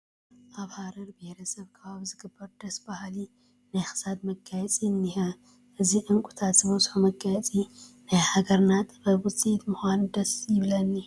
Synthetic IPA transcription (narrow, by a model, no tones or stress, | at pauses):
ʔaβhaɾɐɾbihɾɐsɐβkʰɐβaβzɨɡɨbːɐɾd̪ɐsbahli | najxɨ̥sad̪mɐɡajɛt͡sʼiɨnːiħɐ | ʔɨziʔɨŋkʼut̪ʰat̪zɨmɐzħumɐɡajɛt͡sʼinajhaɡɐɾnat̪bɐbɨt͡sʼit̪mɨxand̪ɐsjɪβlɐnːi